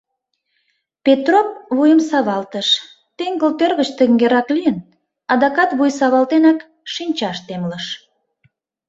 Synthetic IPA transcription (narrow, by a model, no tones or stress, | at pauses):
pet̪rop̚βujəmsɑβɑlt̪əʃ | t̪eŋɡəlt̪ørɣət͡ɕt̪əŋɡeɾɑklijən | ɑd̪ɑkɑt̪βujsɑβɑlt̪enɑk | ʃinʲt͡ɕɑʃt̪emləʃ